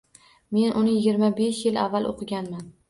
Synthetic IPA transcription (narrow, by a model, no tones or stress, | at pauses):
me̞nʔʊnɪjɪɡʲɪɾmabeʃjɪlavːalˠʔo̰qʰɨɡʲanman